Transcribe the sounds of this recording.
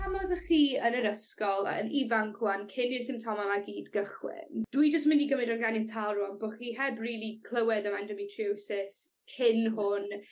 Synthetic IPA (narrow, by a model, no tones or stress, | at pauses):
amɔðəχiːənəɾəskɔl̰ˠə̰nivaŋkʰwankʰɪnɪrsɪ̃mp̚tʰɔmamaɡiːdɡəχwɪ̰nd̥wid͡ʒəstmɪndiɡəmɪdɔnɡanɪntʰalˠruɔnboːχiːɦɛbriːlˠikʰlˠəwɛdəmandɔmitʰrusɪs | kʰɪnɦʊn